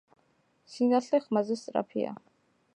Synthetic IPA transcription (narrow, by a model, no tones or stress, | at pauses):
sinaɬɛχmazɛst̪t͡s̪ʼɾa̰pʰḭa̰